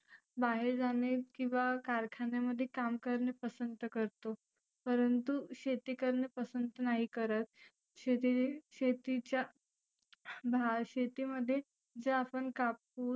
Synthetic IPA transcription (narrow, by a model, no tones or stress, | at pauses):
baɦeɾd͡zanekĩw̃ʋakaɾkʰanjeməd̪ʱːjekamkəɾɳepəsənt̪əkəɾt̪o | pəɾənt̪uɕet̪ikəɾɳepəsənt̪ənaɦikəɾət̪̚ | ɕeiɕet̪it͡ɕja | bʱaɕet̪iməd̪ʱːje | d͡zəapəɳkap̚uː